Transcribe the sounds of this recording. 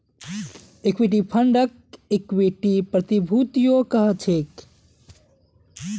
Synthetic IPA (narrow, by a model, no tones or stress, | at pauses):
ekwiʈ̬ipʰəɳɖək̚ | ekweʈipɾət̪ibʱut̪ijokəɦət͡ʃʰek